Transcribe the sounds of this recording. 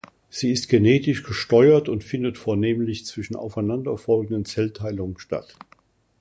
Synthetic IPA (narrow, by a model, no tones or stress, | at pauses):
z̥iːɪst̚ɡ̥eneːtɪʃɡ̥əʃtɔʏɐtʊntfɪndətfoːɐneːmlɪçt͡sv̥ɪʃn̩ʔa̰ʊfaɪnandɐfɔlɡn̩dənt͡sɛltʰːaɪlʊŋənʃta̰t